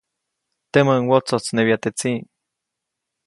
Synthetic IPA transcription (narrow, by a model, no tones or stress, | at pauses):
t̪eməŋwot͡sot͡snewiat̪et͡si